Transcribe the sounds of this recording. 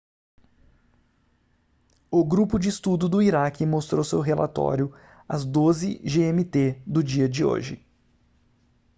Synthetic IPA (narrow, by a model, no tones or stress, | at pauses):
ʊɡɾupʊd͡ʒɪːst̪ud̪ʊd̪ʊiɾakɪmost̪ɾowsewɦelʔa̰t̪ɔ̰ɾjʊ | ɐ̰zd̪ozɪʒeẽmit̪ed̪ʊd͡ʒiɐd͡ʒɪo̰ʒɪ̰